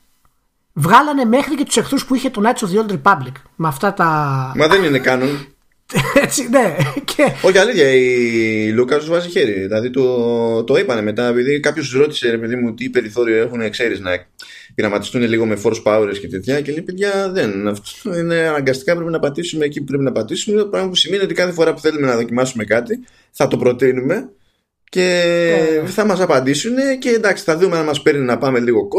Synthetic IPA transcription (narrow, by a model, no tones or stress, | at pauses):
vɣɐlɐne̞me̞xɾice̞t̪u̥se̞xθuspuiçe̞t̪onɐt̪soðiold̪ɾipɐblik | mɐft̪ɐt̪ɐmɐðe̞nine̞kɐnon | et͡sine̞cʰeo̞çiɐliθçɐilukɐt̪uzvɐziçe̞ɾiðilɐðit̪ot̪o̞ipɐne̞me̞t̪ɐe̞piðikɐpçoszɾo̞t̪i̥se̞ɾe̞peðimuot̪iːpe̞ɾiθo̞ɾioe̞xunekse̞ɾiznɐ | ɣɾɐmɐt̪ist̪une̞liɣo̞me̞fo̞ɾspɐuɾesce̞t̪et̪çɐcelipeðʝɐðe̞nɐft̪o̥ine̞ɐnɐŋɡɐst̪i̥kɐpɾep̬inɐpɐt̪isume̞ːcipupɾe̞p̬inɐpɐt̪isumeint̪opɾɐɣɐmɐp̬usime̞niot̪ikɐθe̞fo̞ɾɐpu̥θe̞lume̞nɐðo̞cimɐsume̞kɐt̪i | θɐt̪o̞pɾo̞t̪inume̞ | ce̞ | θɐmɐsɐpɐnd̪isune̞ce̞nd̪ɐksi̥θɐðumeɐnmɐspe̞ɾnenɐpɐme̞liɣo̞ko